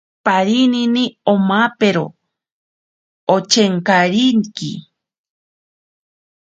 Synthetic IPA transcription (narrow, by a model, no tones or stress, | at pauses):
paɾininiomapeɾo̰ | ot͡ʃeŋkaɾiŋkḭ